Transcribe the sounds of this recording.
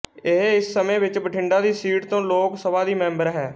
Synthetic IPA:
eɦɪsːəmẽːʋɪt͡ʃbəʈʰɪ̃ɳɖaːd̪iːsiːʈt̪õːloːksəbaːd̪iːmɛ̃ːmbəɾɦɛː

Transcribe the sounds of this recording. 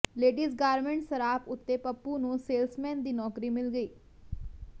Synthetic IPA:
leːɖiːsɡaːɾmẽɳʈsəɾaːpʊt̪ːeːpəpːuːnũːseːlsmɛ̃ːnd̪iːnɔːkɾiːmɪlɡəiː

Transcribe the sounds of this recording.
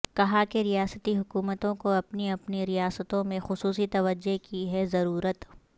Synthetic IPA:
kɐɦakeɾijaːsət̪iɦʊkuːmət̪õkoɐpniɐpniɾijaːsət̪õmẽxʊsuːsit̪ɐʋəd͡ʒːokiɦɛzɐɾuːɾət̪

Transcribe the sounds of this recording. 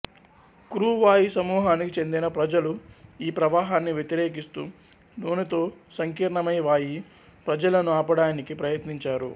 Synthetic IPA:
kɾuːʋaːjisɐmuːɦaːnikit͡ʃe̞nd̪inɐpɾɐd͡ʒɐluiːpɾɐʋaːɦaːnːiʋje̞t̪iɾeːkist̪ṵː | noːnut̪o̞ːsɐŋkiːɾɳɐmɐjʋaːji | pɾɐd͡ʒɐlɐnuaːpɐɽaːnikipɾɐjɐt̪niɲt͡ʃaːɾṵ

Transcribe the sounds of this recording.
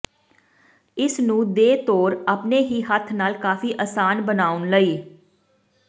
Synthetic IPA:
ɪsnũːd̪eːt̪oːɾaːpneːɦiːɦət̪ʰnaːlkaːfiːʔəːsaːnbənaːʊnləiː

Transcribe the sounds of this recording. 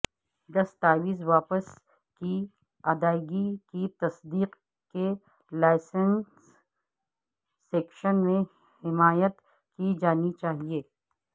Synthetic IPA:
d̪ɐst̪aːʋiːsʋaːpəs | ki | ad̪aːɪɡikit̪ɐsd̪iːq | ke | laːɪsəns | eːkʃənmẽ | hɪmaːjət̪ | kid͡ʒaːnit͡ʃaːɦieː

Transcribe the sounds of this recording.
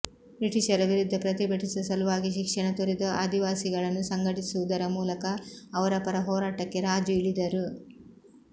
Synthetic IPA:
bɾiʈiʃɐɾɐʋiɾud̪ʱːɐpɾɐt̪ibʱɐʈisɐsɐluʋaːɡiʃikʂɐɳɐt̪oɾed̪ɐʔaːd̪iʋaːsiɡɐɭɐnːusɐŋɡɐʈisuʋud̪ɐɾɐmuːlɐkɐːʋɐɾɐpɐɾɐɦɔːɾaːʈɐkːe̞ɾaːd͡ʒjuiɭid̪ɐɾu

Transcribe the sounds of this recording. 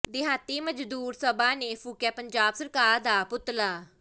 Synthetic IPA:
d̪ɪɦaːt̪iːməd͡ʒd̪uːɾsəbaːneːfʰuːkjaːpəɲd͡ʒaːbsəɾkaːɾd̪aːpʊt̪laː

